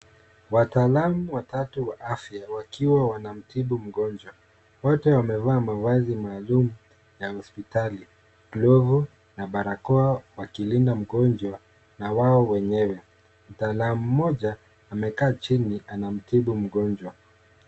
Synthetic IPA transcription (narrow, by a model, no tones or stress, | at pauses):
wataːlamuwatatuwaʔafjawakʰiwawanam̩tiɓum̩ɠɔnd͡ʒwa | wɔtɛwamɛvaːmawazimaːlumu | jahɔspitali | klɔvu | naɓaɾakɔawakilindam̩ɠɔnd͡ʒwa | nawaɔwɛɲɛwɛ | m̩taːlamum̩ːɔʄaː | mɛkaːt͡ʃiniʔanam̩tiɓum̩ɠɔnd͡ʒwa